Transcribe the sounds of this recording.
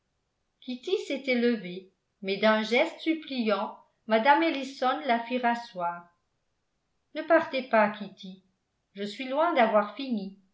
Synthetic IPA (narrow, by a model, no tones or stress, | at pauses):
kʲit̪isɛt̪ɛləve | mɛd̪œ̃ʒɛst̪syplijɑ̃ | mad̪amelisɔnlafiʁaswaːʁ | nəpaʁt̪epaːkʰʲit̪i | ʒəsɥilwɛ̃d̪avwaʁfini